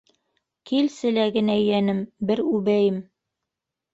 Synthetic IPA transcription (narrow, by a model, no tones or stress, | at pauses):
kilsɘ̆læɡɘ̆næɘ̆jænɘmbɘɾʉβæjɘm